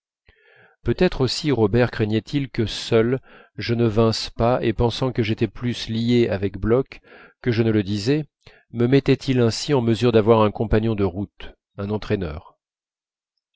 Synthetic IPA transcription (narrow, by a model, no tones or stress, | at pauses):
pøt̪ɛt̪χosiʁɔbɛʁkχɛɲɛt̪ʰilkəsœl | ʒənəvɛ̃spaepɑ̃sɑ̃kəʒet̪ɛplyslieavɛkblɔkː | əʒənələd̪izɛ | məmɛt̪ɛt̪ilɛ̃siɑ̃məzyʁd̪avwaʁɛ̃kɔ̃paɲjɔ̃d̪əʁut̪ | ɛ̃nɑ̃t̪χɛnœ̰ːʁ